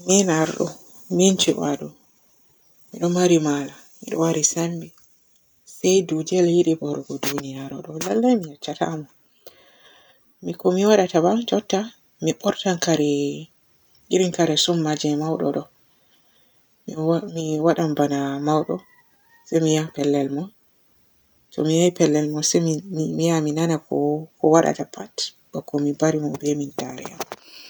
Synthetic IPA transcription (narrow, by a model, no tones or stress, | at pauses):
minaɾɗɔ̰ | mint͡ʃɛwaɗɔ | miɗɔmaɾimala | miɗɔ̰waɾisambi | sajdud͡ʒialjiɗibɔɾɡɔdunijaɾɔ̰ɗɔlalːajmijat͡ʃːata̰mɔ | mikɔmiwaɗatabad͡ʒɔtːa | miɓɔɾtankaɾɛ | ʔiɾinkaɾɛsɔmːad͡ʒɛmawɗɔ̰ɗɔ | miwaɗambanamawɗɔ | sajmijapɛlːɛlmɔ | tɔ̰mijajpɛlːɛlmɔsɛmijaminanakɔkɔwaɗa̰tapʰat | bɔkɔmibaɾimɔbɛmintaɾɛ̰ja̰m